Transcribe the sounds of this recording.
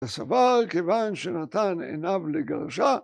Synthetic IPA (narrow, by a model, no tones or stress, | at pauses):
asavalkevanʃenat̪anḛnavleɡaʁʃa